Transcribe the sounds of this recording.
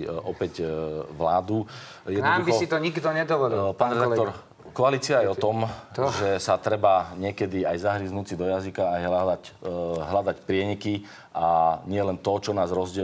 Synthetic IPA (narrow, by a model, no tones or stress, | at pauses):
ɔpɛcʋlaːd̪u | jɛd̪nɔaumiɔsit̪ɔɲiɡd̪ɔɲɛd̪ɔʋɔlipaːnɾɛd̪akt̪ɔɾ | kɔaliːt͡siaajɛɔt̪ɔmʒɛsat̪ɾɛbaɲɪɛkɛd̪iajzaɦɾiːznuːt͡sid̪ɔjazikaajɦ | ɦlad̪acpɾɪɛɲiki | ʔaɲɪɛlɛnt̪ɔt͡ʃɔnaːzɾɔzɟɛ